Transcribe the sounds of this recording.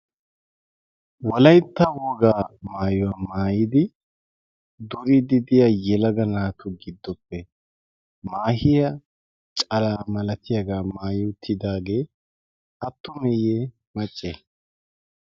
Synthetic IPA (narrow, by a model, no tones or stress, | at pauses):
wɔlɐjt̪ːɐwɔːɡaːmaːjɔwamaːjɪd̪ɪ | d̪ʊɾɪd̪ɪd̪ɪjajɛlɐɡɐnaːt̪ʊɡɪd̪ːɔpːɛ | maːhɪjɐ | t͡ʃʼɐlaːmɐlɐt̪ʰɪjɐɡaːmaːjɪt̪ʰːɪd̪aːɡe̞ː | ɐt̪ːʊmɛjeː | mɐt͡ʃʼːe